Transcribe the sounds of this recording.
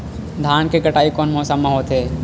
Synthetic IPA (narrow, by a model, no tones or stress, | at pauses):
d̪ʱaːnkekɐʈaːikɔːnmɔːsəmːɐɦoːt̪ɦeː